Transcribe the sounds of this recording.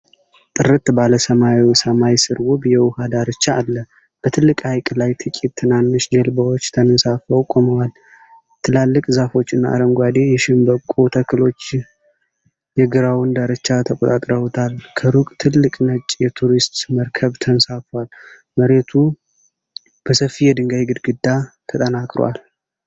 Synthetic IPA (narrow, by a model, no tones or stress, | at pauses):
t̪ʼɨɾɨt̪baləsəmawiwsəmajsɨɾwʊbjɛwʊhad̪aɾət͡ʃːaːlːə | b̥ət̪ʰɨlːɨkʼhajkʼlajt̪ʰɨkʼit̪t̪ʰːɨnanːɨʃd͡ʒɛlbəwot͡ʃːt̪ʰənnsafəwkʼoməwal | t̪ʰɨlalːɨkʼzafo̞t͡ʃːɨnːaa̰ɾəmɡʷad̪e̞jɛʃɪmbəkʼːut̪ʰəkʰːɨlo̞t͡ʃː | jɛɡɨɾawɨnd̪aɾɨt͡ʃːat̪ʰəkʷʼot̪ʼat̪ʼɾəwt̪ʰalkʰəɾukʼt̪ʰɨlːɨkʼnət͡ʃʼjɛt̪ʰuɾist̪məɾkʰəβt̪ʰənsafwal | məɾe̞t̪ʰu | b̥əsəfːijɛd̪ɨŋɡajɡɨd̪ɡɨd̪ːat̪ʰət̪ʼənakʼɾwa̰l